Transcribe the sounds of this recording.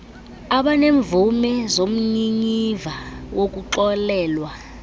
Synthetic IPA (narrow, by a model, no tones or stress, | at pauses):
aɓaneɱvumɛzom̩ɲiɲivawok̬ʼuǃɔlɛːlwa